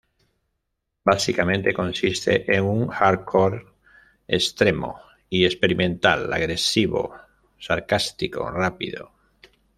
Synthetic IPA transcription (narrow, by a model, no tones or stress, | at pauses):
basikamẽnt̪ekõnsist̪ḛʔeŋuŋxaɾkʰoɾ | ḛst̪ɾemo̰ | iespeɾimẽ̞nt̪a̰la̰ɣɾe̞siβo̰ | saɾkast̪iko̰rapḭðo̰